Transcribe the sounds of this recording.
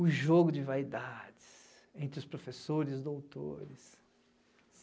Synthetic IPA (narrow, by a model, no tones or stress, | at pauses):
ʊʒoɡʊd͡ʒɪvaid̪ad͡ʒɪs | ẽnt̪ɾɪʊspɾofesoɾɪzd̪owt̪o̰ɾɪs